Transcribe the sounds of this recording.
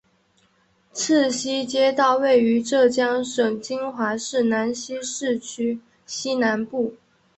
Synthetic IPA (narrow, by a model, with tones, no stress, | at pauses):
t͡s̩ʰ˥˩ɕi˥t͡ɕjɛ˥t̪ɑ˥˧ʊwe˥˩ɪy˧˥ʈ͡ʂɤ˥˩t͡ɕjɑ˥ŋʂə˨˩ŋt͡ɕi˥ŋxwa˧˥ʂɻ̩˥˩na˧˥nɕi˥ʂɻ̩˥˩t͡ɕʰy˥ | ɕi˥na˧˥npu˥˩